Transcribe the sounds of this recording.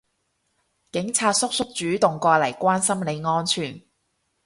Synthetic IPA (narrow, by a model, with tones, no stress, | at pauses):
kɪ˨˥ŋt͡sʰaː˧t̚sʊ˥k̚sʊ˥k̚t͡ʃyː˨˥t̪ʊ˨ŋkʷɔː˧lɐ˨˩jkʷaː˥nsɐ˥mle˨˧jŋɔː˥nt͡ʃʰyː˨˩n